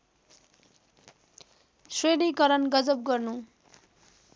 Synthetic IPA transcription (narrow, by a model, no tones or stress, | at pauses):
sweɽikʌɾʌnɡʌd͡zʌp̚ɡʌrnu